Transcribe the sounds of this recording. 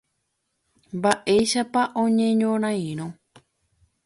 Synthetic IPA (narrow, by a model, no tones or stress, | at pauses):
mbaʔe̞jʃapaʔõɲẽɲõɾ̃ãĩɾ̃õ